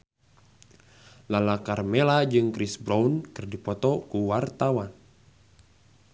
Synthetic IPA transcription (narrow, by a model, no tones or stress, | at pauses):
lalakarmɛlad͡ʒɨŋkɾisbɾaunkɨrdipɔt̪ɔkuwart̪awan